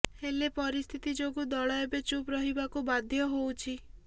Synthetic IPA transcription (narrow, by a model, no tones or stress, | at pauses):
helepɔɾist̪ʰit̪id͡ʒoɡud̪ɔɭɔebet͡ʃupɾɔɦibakubad̪ʱjɔɦowt͡ʃʰi